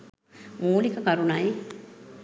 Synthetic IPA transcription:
muːlikəkɐɾunɐj

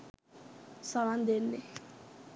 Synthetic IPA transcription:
saland̪ɛlːɛ

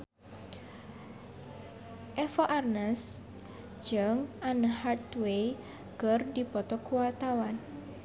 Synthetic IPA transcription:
ʔɛfɔʔarnəs | d͡ʒəŋanəhart̪wej | ɡ̥ərdipɔt̪ɔkuwat̪awan

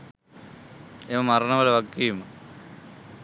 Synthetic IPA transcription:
eʋɐmɐrɐɳɐmɐlɐʋɐkːijum

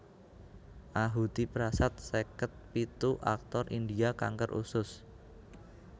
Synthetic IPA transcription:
ʔaɦut̪ipɾasat̪̚sekət̪̚pit̪uʔa̰k̚t̪ɔrʔind̪iaka̰ŋkərʔṵsʊs

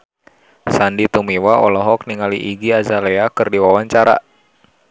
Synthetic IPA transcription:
sandit̪umiwaɔlɔɦɔk̚niŋaliʔiɡiazaleakɨrdiwawaɲt͡ʃaɾa̰

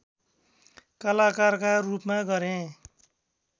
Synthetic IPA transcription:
kʌlakarkarupmaɡʌɾẽ

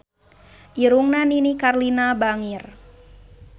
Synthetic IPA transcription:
ʔiɾuŋnaninikarlinabaŋir

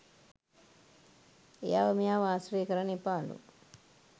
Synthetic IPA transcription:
ejaʋɐmijaːʋaːsɾiːkɐɾɐnipaːlṵ

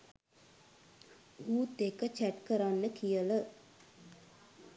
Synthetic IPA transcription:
uːd̪ekət͡ʃæʈkəɾanːəkijələ

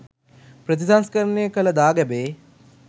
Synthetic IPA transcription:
pɾət̪̬isanskəɾənejəkələd̪aːɡɛbeː

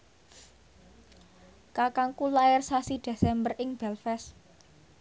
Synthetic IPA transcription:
kakaŋkulaɛrsasid̪̥e̤sɛmbərʔɪŋb̥ɛlfɛs

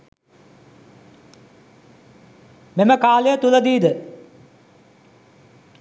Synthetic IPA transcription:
meməkaːlejət̪uləd̪iːd̪ə

